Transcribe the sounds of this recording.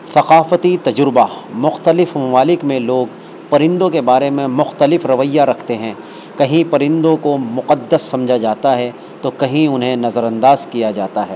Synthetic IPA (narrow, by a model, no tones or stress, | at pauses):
θɐqaːfət̪it̪ɐd͡ʒɾɪbamʊxt̪əlɪfmɐmaːlɪkmẽloːɡ | pɐɾɪ̃nd̪õkebaːɾemẽmʊxt̪əlɪfɾɐʋəjaɾɐkʰt̪eɦɛ̃ː | kɐɦĩpɐɾɪ̃nd̪õkomʊqəd̪ːəsːɐ̃md͡ʒʱad͡ʒaːt̪aɦɛ | t̪okɐɦĩʊnɦẽnɐzəɾɐ̃nd̪aːzkijad͡ʒaːt̪aɦɛː